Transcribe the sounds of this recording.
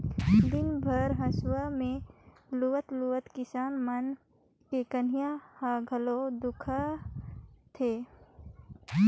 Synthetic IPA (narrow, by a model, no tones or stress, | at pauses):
d̪ɪnbʱəɾɦə̃swəmẽluwət̪luwət̪kɪsaːnmən | kekənijahaɡʱəlod̪ʊkʰə | t̪ʰeː